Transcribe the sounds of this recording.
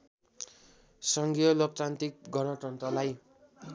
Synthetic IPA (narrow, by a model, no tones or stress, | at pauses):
sʌŋɡijʌlok̚t͡sant̪ik̚ɡʱʌnʌʈʌnt̪rʌlaj